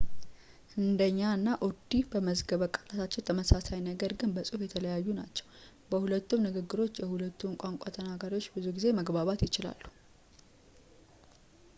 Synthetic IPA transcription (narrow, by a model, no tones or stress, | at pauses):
ʔɨnd̪əɲːaɨnːaʔod̪ibəməzɡəβəkʼəlat̪ʰat͡ʃːɪnt̪ʰəməsasajnəɡəɾɡɨnbəsʼufjɛt̪ʰələjajːunat͡ʃːɛ̥w | bəhulət̪ːumnɨɡɨɡːɨɾo̞t͡ʃːjɛhulət̪ːunkʷʼaŋkʷʼat̪ʰənaɡaɾiwot͡ʃːbɨzuɡize̞məɡbaβat̪jɪt͡ʃɪla̰lːu̥